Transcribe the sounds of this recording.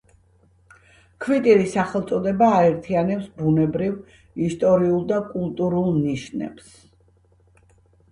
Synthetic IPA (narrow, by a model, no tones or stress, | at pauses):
kʰvit̪ʼiɾisaχɛlˠt̪sʼɔd̪ɛbaːɛɾt̪ʰianɛpsbunɛbɾiv | ist̪ʼɔɾiulˠd̪akʼulˠt̪ʼuɾulˠniʃnɛ̰bs